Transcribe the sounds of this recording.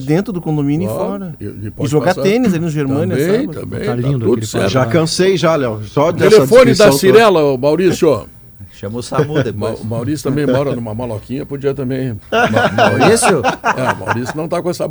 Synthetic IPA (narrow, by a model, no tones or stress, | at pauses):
d̪ẽnt̪ɾʊd̪ʊkõd̪õmĩnɪfɔɾɐ̰pɔʒoɡaẽnɪzalinʊʒeɾmmɐ̃nɐest̪ɐ̰̃mbḛ̃jlĩnd̪ud̪sɛ̰ɾʒakɐ̃sejʒalɛwsɔd̪ɛelefõnɪd̪ɐsiɾɛlɐʊmawɾisjɔ | ʃɐ̃mosamuɐamawɾisʊt̪ɐ̃mbẽj̃mɔɾɐnũmɐmalɔkĩɲɐpod͡ʒiɐt̪ɐ̃mbẽj̃mwɾisʊɛ̰ma̰wɾisʊnɐ̃w̃t̪akõɛsɐ